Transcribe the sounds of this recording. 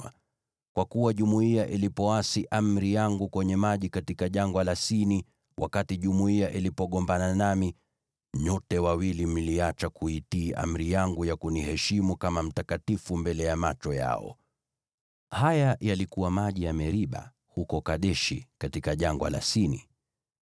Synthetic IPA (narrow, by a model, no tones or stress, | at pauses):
kwakuwaʄumuiaʔilipɔasiʔam̩ɾijaŋɡukwɛɲɛmaʄikatikaʄaŋɡwalasini | wʔakatiʄumuiaʔilipɔɠɔmbananami | ɲɔtɛwawilim̩liat͡ʃakuitiːʔa̰m̩ɾijaŋɡujakunihɛʃimukamam̩takatifumbɛlɛjamat͡ʃɔja̰ɔ̰ | hajajalikuwamaʄijamɛɾiɓa̰ | hukɔkaɗɛʃikatikaʄaŋɡwa̰la̰sini